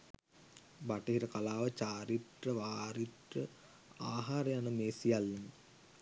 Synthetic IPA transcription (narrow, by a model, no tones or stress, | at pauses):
baʈəɦiɾəkalaːʋət͡ɕaːɾiʈrəʋaːɾiʈrə | aːɦaːɾəjanəmeːsijalːen